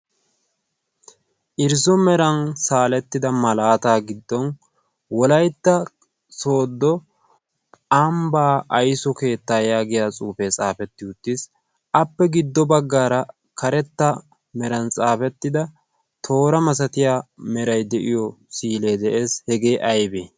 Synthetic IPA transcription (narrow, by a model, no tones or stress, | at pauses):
ʔɪɾzɔmɛɾɐnsaːlɛt̪ːɪd̪ɐmɐlaːt̪aːɡɪd̪ːɔn | wɔlɐjt̪ːɐ | so̞ːd̪ːɔ | ɐmbaːʔɐjsɔke̞ːt̪ːaːjaːɡɪjaːt͡sʼuːfeːt͡sʼaːfɛt̪ːɪʊt̪ːɪs | ʔɐpːɛɡɪd̪ːɔbɐɡːaːɾɐ | kɐɾɛt̪ːɐ | mɛɾɐnt͡sʼaːfɛt̪ːɪd̪ɐ | t̪ʰo̞ːɾɐmɐs̬ɐt̪ɪjaːmɛɾɐjd̪ɛʔɪjɔsiːle̞ːd̪ɛʔe̞ːshɛɡe̞ːʔɐjbeː